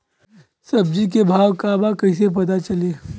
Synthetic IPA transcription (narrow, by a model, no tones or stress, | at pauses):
sɐb̚d͡ʒik̬ebʱaːʋkabakɐĩs̬ep̬ɐt̪̬at͡ʃɐleː